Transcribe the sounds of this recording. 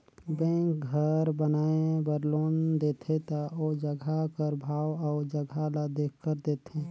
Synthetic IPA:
bɛ̃ːkɡʱəɾbənaːebəɾloːnd̪eːt̪ʰet̪aod͡ʒəɡʱakəɾbʱaːwɔːɾd͡ʒəɡʱalad̪eːkʰkːəɾd̪eːt̪ẽ

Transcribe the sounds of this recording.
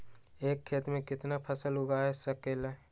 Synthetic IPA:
eːkʰːeːt̪mẽkɪt̪napʰəsəlɦʊɡaːɦɛsəkela

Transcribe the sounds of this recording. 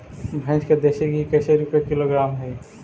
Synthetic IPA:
bʱɛ̃t͡ʃked̪eːʃekɦikɐseɾupekɪloɡɾaːmɦɛ

